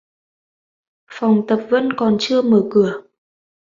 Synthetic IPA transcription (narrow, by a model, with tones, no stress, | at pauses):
fa˨˩wŋ͡mt̪ə˨˩p̚və̰˧˥nkɔ˨˩nt͡ɕɨ˧əməː˧˩kɨ˧˩ə